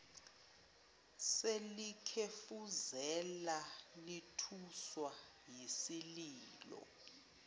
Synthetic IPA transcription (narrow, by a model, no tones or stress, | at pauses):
selikʰefuzɛlalitʰuswa | jisiliːlɔ̰